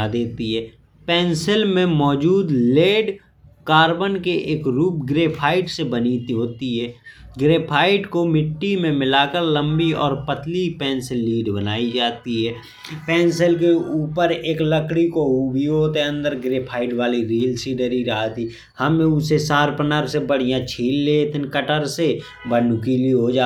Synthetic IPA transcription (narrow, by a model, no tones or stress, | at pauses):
ad̪eːt̪iɦɛː | pɛ̃ːnsəlmẽmɔːd͡ʒuːd̪leːɖ | kaːɾbənkeʔeːkɾuːpɡɾeːpʰaːɪʈsebənit̪ɦoːt̪iɦɛːɡɾeːpʰaːɪʈkomɪʈːimẽmɪlaːkəɾlə̃mbiɔ̰ːɾpət̪lipɛ̃ːnsəlːiːɖbənaːid͡ʒaːt̪iɦɛː | pɛ̃ːnsəlkeuːpəɾeːkləkɽikoɦubʱioːt̪eə̃nd̪əɾɡɾeːpʰaːɪʈʋaːliɾiːəlsiːɖəɾiɾaat̪i | həmẽʊsesaːɾpənaɾsebəɽ̤ijãt͡ʃʰiːlːeːt̪ɪnkəʈəɾse | bənkiːliɦod͡ʒaː